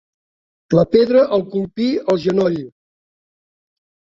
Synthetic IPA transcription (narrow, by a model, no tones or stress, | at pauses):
ləpeðɾəʔəlˠkulˠpiəlˠʒənɔʎ